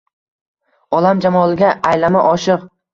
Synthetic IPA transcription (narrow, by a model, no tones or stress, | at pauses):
ɒlamd͡ʒamɒlˠɪɡʲaʔajlamaʔɒʃɪq